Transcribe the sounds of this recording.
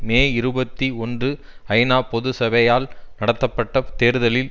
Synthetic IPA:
meːɪɾɯbɐt̪ːiɔndrɯ | ɐɪnaːpɔðɯsɐbɐjaːlnɐɽɐt̪ːɐpːɐʈːɐt̪eːɾɯðɐlɪl

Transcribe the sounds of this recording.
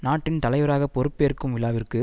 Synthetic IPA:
naːʈːɪnt̪ɐlɐɪʋɐɾaːɣɐpɔɾɯpːeːɾkːɯmʋɪlaːʋɪrkɯ

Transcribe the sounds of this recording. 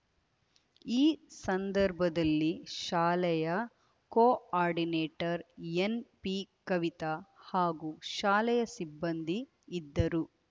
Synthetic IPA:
iːsɐnd̪ɐɾbʱɐd̪ɐlːiʃaːlɛjɐ | koːaːɾɖineːʈɐɾenpikɐʋit̪ɐhaːɡuʃaːlɛjɐsibːɐnd̪iː | d̪ːɐɾu

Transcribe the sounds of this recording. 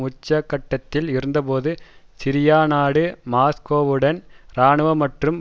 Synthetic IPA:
ʊt͡ʃːɐkːɐʈːɐt̪ːɪlɪɾɯnd̪ɐpoːðɯsɪɾɪjaːnaːɽɯmaːskoːʋɯɽɐnɾaːɳɯʋɐmɐʈrɯm

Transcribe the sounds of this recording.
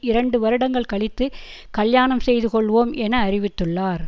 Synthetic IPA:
ɪɾɐɳɖɯʋɐɾɯɽɐŋɡɐɭkɐɭɪt̪ːɯ | kɐljaːɳɐmsɛjðɯkɔɭːʋoːmʔɛnɐːɾɪʋɪt̪ːɯɭːaːɾ

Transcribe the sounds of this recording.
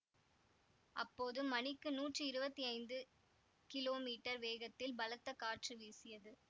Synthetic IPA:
ʔɐpːoːðɯmːɐnɪkːɯnuːʈrɯɪɾɯbɐt̪ːiɐɪnd̪ɯ | kɪloːmiːʈːɐɾʋeːɣɐt̪ːɪlbɐlɐt̪ːɐkaːʈrɯʋiːsɪjɐðɯ

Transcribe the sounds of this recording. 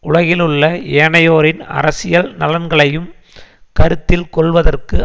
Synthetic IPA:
ʔʊɭɐɣɪlɯɭːɐeːɳɐjoːɾɪnɐ̰ɾɐsɪjɐlnɐlɐnɡɐɭɐjɯm | kɐɾɯt̪ːɪlkɔɭʋɐðɐrkɯ

